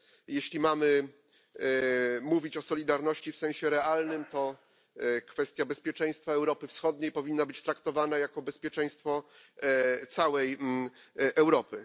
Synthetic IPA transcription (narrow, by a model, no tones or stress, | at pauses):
jeɕlʲimamɘ | muvʲit͡ɕɔsɔlʲid̪aɾnɔɕt͡ɕifsɛ̃w̃ɕɛɾɛalnɘmt̪ɔ | kfɛst̪ʲjabɛspʲjɛt͡ʂɛ̃j̃st̪faɛwɾɔpɘfsxɔd̪̚ɲejpɔvʲinːabɘt͡ɕt̪ɾakt̪ɔvanajakɔbɛspʲjɛt͡ʂɛ̃j̃st̪fɔ | t̪sawɛj | ʔɛwɾɔpɘ